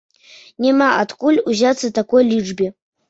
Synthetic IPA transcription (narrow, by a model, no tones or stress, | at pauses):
nʲemaatkʼulʲuzat͡sʰːatakʼojliʈ͡ʂbʲi